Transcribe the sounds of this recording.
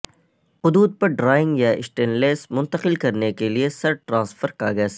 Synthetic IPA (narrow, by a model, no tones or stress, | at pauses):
hʊd̪uːd̪̚pɐɾɖɾaːɪ̃ŋɡjaɪsʈẽːnleːsmʊ̃nt̪əqɪlkɐɾnekeliesɐɾʈɾãːsfəɾkaːɡəs